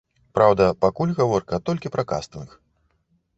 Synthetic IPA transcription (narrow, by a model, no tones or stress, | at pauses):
pɾawd̪ɐpakulʲɣavɔrkɐt̪ɔlʲkʲipɾɐka̰st̪ɨnɨx